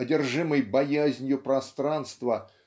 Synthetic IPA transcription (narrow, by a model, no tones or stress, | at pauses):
ɐdʲɪrʐɨmɨjbɐjæzʲnʲjʊpɾɐst̪ɾanst̪və